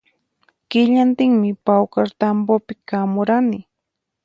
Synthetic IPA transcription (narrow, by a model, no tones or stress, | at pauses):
kɪʎant̪ɪŋmɪpawkaɾt̪ampopɪkamʊɾanɪ